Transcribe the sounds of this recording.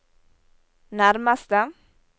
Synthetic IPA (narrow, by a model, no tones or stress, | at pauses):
næɾmast̪ə